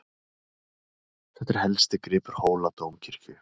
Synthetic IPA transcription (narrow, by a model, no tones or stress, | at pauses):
θɛht̪ɪɾ̥hɛlst̪ɪkɾɪːpʏɾ̥hoːwlat̪owmcʰɪɾ̥cʏ